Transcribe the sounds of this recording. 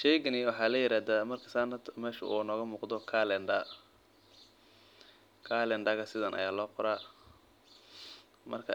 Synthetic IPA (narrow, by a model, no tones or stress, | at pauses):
ʃɛjɡɐnɪwɑħɑːlɐjɪɾaːðaːmɐrkʰɐ̥sanɐd̪mɛːʃʊ̰ʔṵːnɔːɣɐmuːqd̪ɔkʰaːlɛɳɖɐ | kʰalɛɳɖɐɣɐsɪðɐnʔɐ̰jaːlɔːqʊɾaː | mɐ̰rkʰɐ